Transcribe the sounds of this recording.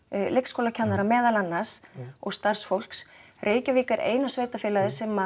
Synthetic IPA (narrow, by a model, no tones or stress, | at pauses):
lʔekskowlacʰanːaɾamɛːðalanːasɔɣst̪ar̥sfowl̥ks | rʔeːjcaviːkaɾʔḛːjnasveːjt̪afɛːlaðɪɾ̥sɛma